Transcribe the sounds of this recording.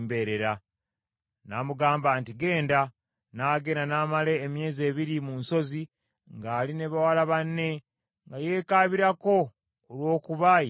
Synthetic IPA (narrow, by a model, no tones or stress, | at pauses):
mbeːɾe̞ɾa | namuɡaːmbaːntiɡe̞ːnda | naːɡe̞nanaːmale̞ːmje̞ːze̞ːβiɾimunso̞zi | ŋɡaːline̞βawalaβanːe̞ | ŋɡaje̞ːkaːβiɾako̞ | olwo̞ːkuβa